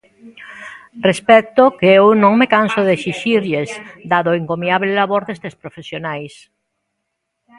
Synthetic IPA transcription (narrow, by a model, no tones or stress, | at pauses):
respɛk̚t̪okeewnõŋmekansoðesiʃiɾʎezd̪aðoiŋkomiaβlelaβoɾðest̪espɾofesjonajs